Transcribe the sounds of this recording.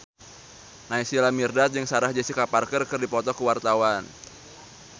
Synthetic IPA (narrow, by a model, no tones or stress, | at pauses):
naisilamirdat̪̚d͡ʒɨŋsaɾahd͡ʒesikaparkərkɨrdipɔt̪ɔkuwart̪awan